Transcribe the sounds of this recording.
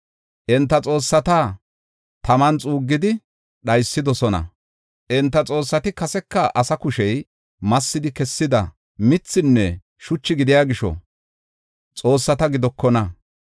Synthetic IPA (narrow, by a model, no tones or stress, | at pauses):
ʔɛnt̪ːɐt͡sʼo̞ːsːɐt̪aː | t̪ɐmɐnt͡sʼuːɡːɪd̪ɪ | ɗɐjsːɪd̪ɔsɔnɐ̰ | ʔɛnt̪ːɐt͡sʼo̞ːsːɐt̪ɪkɐsɛkːɐʔɐsɐkʊʃɛj | mɐsːɪd̪ɪkɛsːɪd̪ɐ̰ | mɪt͡sːɪnːɛ | ʃʊt͡ʃːɪɡɪd̪ɪjaːɡɪʃɔ̰ | t͡sʼo̞ːsːɐt̪ɐɡɪd̪ɔkːɔnɐ